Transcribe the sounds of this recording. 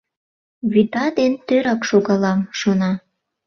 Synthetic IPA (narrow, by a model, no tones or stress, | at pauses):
βyd̪ɑd̪ent̪øɾɑkʃoɣɑlɑmʃonɑ